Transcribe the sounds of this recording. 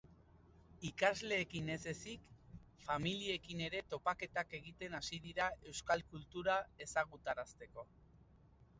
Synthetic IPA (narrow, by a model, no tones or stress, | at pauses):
ikazle̞ːkine̞se̞sikfamilie̞kine̞ɾe̞t̪o̞pake̞t̪ake̞ɣit̪e̞nasiðiɾae̞wskalkult̪uɾae̞saɣ̞ut̪aɾast̪e̞ko̞